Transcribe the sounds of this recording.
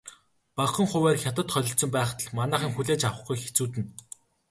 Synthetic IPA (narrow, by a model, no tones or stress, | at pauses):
pawχə̆ŋχʊwæːrxʲat̪ə̆t̪χœɮʲɞ̆ɬt̪sɞ̆mpæːχt̪ə̆ɮmanæːχiːŋxuɮeːt͡ɕawə̆χɡujxet͡suːt̪ɘ̆n